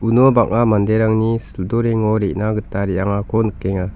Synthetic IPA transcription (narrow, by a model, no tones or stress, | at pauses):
unobak̚namandeɾaŋnisɯldɔɾeŋɔɾeʔnaɡɯtːaɾijaŋakʰɔnɯkːeŋa